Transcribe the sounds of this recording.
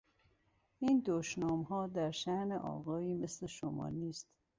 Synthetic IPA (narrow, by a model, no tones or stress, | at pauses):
iːnd̪oʃnɒːmɦɒːd̪æɾʃæhneʔɒ̰ːɣɒːiːmesleʃomɒ̰ːniːst̪